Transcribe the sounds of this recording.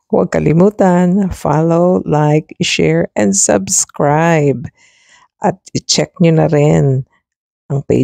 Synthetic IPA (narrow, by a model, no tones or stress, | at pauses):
wɐ̰ɡ̚kɐlɪmuːt̪ɐnfalowlajkʃɛɹɛ̃nd̪sɐ̰bskɹajb̚ | ʔɐt̪̚ɪt͡ʃɛk̚ɲʊnɐɾɪn | ʔɐŋpḛ